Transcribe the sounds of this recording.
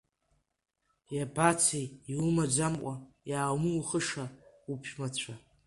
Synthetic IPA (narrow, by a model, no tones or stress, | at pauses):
jabat͡sʰejiwumad͡ʒamkʷʼa | jaːwmɨwuχəʂa | upʰmat͡ɕʷʰa